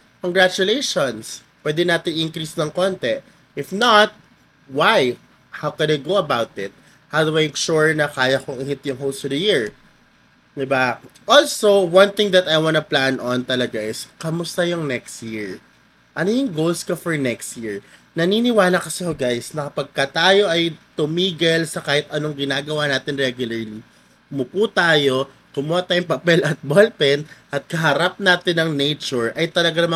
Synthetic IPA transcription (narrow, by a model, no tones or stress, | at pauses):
koŋɡɹat͡ʃʊlejʃonspwɛd̪ɛnaːt̪ɪŋʔɪŋkɹisnɐŋkont̪ɛ | ʔɪfnɐt̪̚ | waj | hawkɛnɐɡoɐbawt̪ɪt̪̚ | hawd̪ʊmejkʃuɹnɐkaːjɐkʊŋɪhɪt̪jʊŋɦolsʊd̪ɐjiɹ | d̪ɪbaʔolsowɐ̃nθɪ̃ŋd̪ɐt̪ɐjwanʊplanɔnt̪ɐlɐɡaʔɪskɐmʊst̪ɐjʊŋnɛkst̪jiɹ | ʔɐnojʊŋɡowlskɐfɔɹnɛkst̪̚jiɹnɐniːnɪwaːlɐkɐsɛhoɡajsnɐkɐpɐɡ̚kɐt̪aːjo̞ʔɐjt̪ʊmiːɡɐlsɐkaːhɪt̪̚ʔɐnoŋɡɪnaːɡɐwaːnaːt̪ɪnɹɛɡjʊlɐɹli | moput̪aːjo̞ | kʊmʊat̪ajʊŋpɐpɛlʔɐt̪̚bolpɛnʔɐt̪̚kɐɦɐɾap̚naːt̪ɪnːɐŋnejt͡ʃʊɹʔɐjt̪ɐlɐɡanɐma